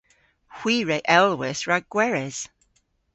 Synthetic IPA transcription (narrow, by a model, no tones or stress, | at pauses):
hw̥iːɹeʔɛlˠwɪsɹaɡ̥wɛɹɛz̥